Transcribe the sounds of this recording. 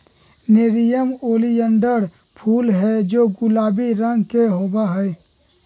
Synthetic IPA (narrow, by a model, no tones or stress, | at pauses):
neɾijəmoːlijəɳɖəɾ | pʰuːlɦɛd͡ʒoːɡʊlaːbiɾə̃ŋɡkeɦoːbaɦɛ